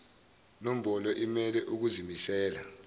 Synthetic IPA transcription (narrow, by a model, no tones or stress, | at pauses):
nom̩ɓɔlɔʔimɛlɛʔuk̬uzimisɛːla